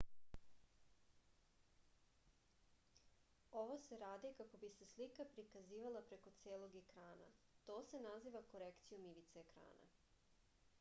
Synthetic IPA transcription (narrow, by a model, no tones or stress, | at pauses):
o̞ʋo̞se̞ɾaːd̪ikako̞bise̞slikapɾikaziːʋalˠapɾe̞ko̞t̪seːlˠo̞ɡekɾaːna̰t̪o̞ːse̞naziːʋako̞ɾekt̪sijumiʋit̪seekɾa̰ːna̰